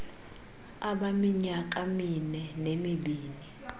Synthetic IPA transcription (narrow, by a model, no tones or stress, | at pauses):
aɓamiɲak̬ʼaminɛnemiɓiːni